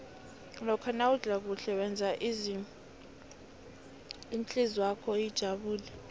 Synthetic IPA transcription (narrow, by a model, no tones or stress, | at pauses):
lɔkʰanauɮʱak̬uɬɛwɛnd͡zʱaʔ | int͡ɬʼizwakʰɔid̥ʒ̥ʱaɓuːlɛ